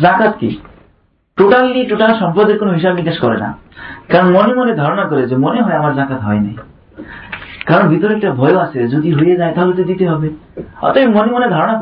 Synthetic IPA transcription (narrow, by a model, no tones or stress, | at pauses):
d͡ʒãkat̪kḭ | ʈoʈalːiʈoʈalsɔmpɾɔd̪eɾkonɔɦisabnikaskɔɾḛna̰kaɾɔnɔmɔnimɔned̪ʱaɾɔɽ̃akɔɾed͡ʒemɔneɦɔeamaɾd͡ʒãkat̪ɦɔ̰jna̰ɦĩ | kaɾɔɳɔbit̪ɔɾek̚ʈabʱɔjoased͡ʒod̪iɦojed͡ʒaẽt̪ʰaɦlut̪ed̪it̪eɦɔbeɔ̰t̪epimɔnimɔned̪ʱaɾɔɽ̃a